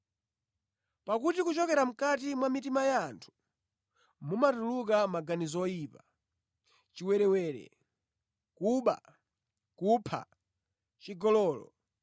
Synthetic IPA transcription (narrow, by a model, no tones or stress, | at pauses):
pakutikut͡ʃɔkɛɾam̩kat̬imwamitimajantʰu̥ | mumatuluk̬amaɡanizɔɔiːpa | t͡ʃiwɛɾɛwɛːɾɛ̰ | kuɓa̰ | kupʰa̰ | t͡ʃiɡɔlɔːlɔ̰